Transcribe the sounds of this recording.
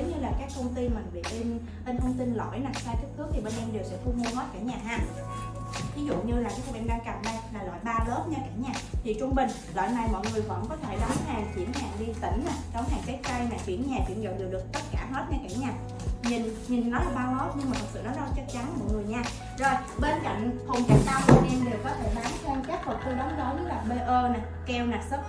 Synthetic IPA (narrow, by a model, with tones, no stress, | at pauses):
ə˨˦wɲɨ˧laː˨˩kaː˦˥k̚t̪ʰə˧wŋ͡mt̪i˧mä˨˩nɓḭ˧˨li˧n | ʔə˧nt̪ʰə˧wŋ͡mt̪i˧nlɔ̰˧˩˨jna˨˩saː˧jt͡ɕaː˦˥k̚t̪ɨ˨˦˥k̚t̪ʰi˨˩ɓe˧nʔɛ˧mɗe˨˩wsɛ̰˧˥t̪u˧mu˧əməː˦˥t̚kaː˧˩ɲaː˨˩ɦaː˨˧˩ | vi˨˦zṵ˧˨ɲɨ˧laː˨˩kaː˨˦jka˨˧˩mʔɛ˧mɗaː˧ŋka˨˩p̚nə˧jlaː˨˩lɔ̰˧˨jɓaː˧lə˨˦˥t̚ɲa˧kaː˧˩ɲaː˨˩t̪ʰi˨˩t͡ɕʊ˧ŋ͡mɓï˨˩ŋ̟ | lɔ̰ː˧˨jna˨˩jmɔ̰˧˨jŋɨ˨˩əjvə̰˧˥nkɔ˨˦t̪ʰe˧˩ɗɔ˨˦ŋ͡mhaː˨˩ŋt͡ɕi˧˩ənɲaː˨˩ɗi˧t̪i˧˩˦ŋ̟naː˨˩ɗɔ˨˦wɦaː˨˩ŋse˨˦˥k̚t͡ɕa˧jmaː˨˩t͡ɕwḭ˧˩˥ənɲaː˨˩t͡ɕwḭ˧˩ənzo̰˧˨˩wɗe˨˩ɗɨ˨˩ək̚t̪ə˦˥t̚kaː˧˩ɦəː˦˥t̚ɲɔ˧ka˧˩˦ŋɲaː˨˩ | ɲi˨˩nɲi˨˩nːɔ˨˦laː˨˩ɓaː˧lə˨˦˥t̚ɲɨ˧ŋmaː˨˩t̪ʰə˨˩sɨ̰˧˨nɔ˨˦nɔ˨˦t͡ɕə˦˥k̚t͡ɕa˨˦nmɔ̰˧˨jŋɨ˨˩əjɲaː˧ | zo˨˩jɓe˧nka̰˧˨jŋ̟ho˨˩ŋ͡mt͡ɕa˨˦˥k̚ɗaː˧wkɔ˨˩ʔe˧nɗe˨˩wkɔ˨˦t̪ʰe˧˩ɓaː˨˦nho˧ŋ͡mt͡ɕɛ˦˥k̚mo˨˩t̚t̪ə˧jɗə˨˦wŋ͡mɗɔ˨˦ɲɨ˨˦laː˨˩ɓe˧ʔəː˧naː˨˩ | kɛ˧wnaː˨˩sə˦˥p̚